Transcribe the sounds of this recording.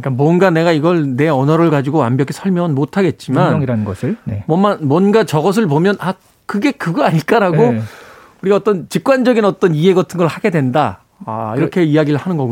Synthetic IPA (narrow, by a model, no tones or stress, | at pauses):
ɲk͈anmwʌnɡane̞ɡaiɡʌɭne̞ʌnʌɾɯɭɡad͡ʑiɡoambjʌk̬ʰisʰʌɭmjʌŋɯnmotʰaɡe̞t̚t͡ɕ͈imanŋiɾannɡʌsʰɯɭnemwʌmanmwʌnɡat͡ɕʌɡʌs̬ʰɯɭpomjʌna | kɯɡe̞kɯɡʌaɲiɭk͈aɾaɡo | uɾiɡaʌt͈ʌnt͡ɕik̚k͈wand͡ʑʌɡinʌt͈ʌniɦeɡatʰɯnɡʌɭhaɡe̞dwe̞nda̰ː | iɾʌkʰe̞ijaɡiɾɯɭhanɯnɡʌɡu